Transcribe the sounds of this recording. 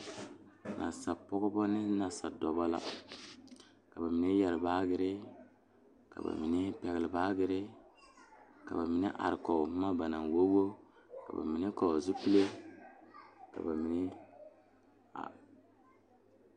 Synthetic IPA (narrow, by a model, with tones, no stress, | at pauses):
nʔa̰˨sa˨pɔ˦ɡɔ˦bɔ˦nɪ˦na˨sa˨dɔ˨ba˦la̰˦˨ | ka˨ba˨mi˨ne˦jɛ˨ɾɪ˨baː˦ɡɪ˦ɾɪ˦ | ka̰˨ba̰˨mi˨nɪ˦pɛ˨ɡɪ˨lɪ˨baː˦ɡɪ˦ɾɪ˦ | ka̰˨ba˨mi˨ne˦ʔa̰˨ɾɪ˨kɔ˨˦ma˦ba˨na˨nwo˦ɡo˦ | ka̰˨ba̰˨mi˨ne˦kɔ˨zu˦pi˦le˦ | ka̰˨ba˨mi˨ne˦ | a̰˨